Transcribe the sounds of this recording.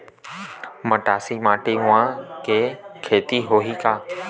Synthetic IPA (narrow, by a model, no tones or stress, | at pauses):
məʈaːsimaːʈiɦʊ̃ʋãkeːkʰeːt̪iɦoːɦiːkaː